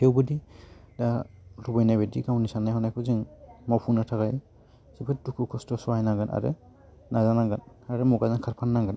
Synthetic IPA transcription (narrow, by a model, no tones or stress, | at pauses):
hewbudidalubɔjnajbediɡawnisanajhɔnajkʰuziŋmɔpʰunatʰakaj | sipʰɯt̚dukʰukʰɔstɔsɔajnaŋɡɯna̰ɾɯ̰ | nazanaŋɡan | aɹɛmɔɡazankʰaɹpʰanːaŋɡan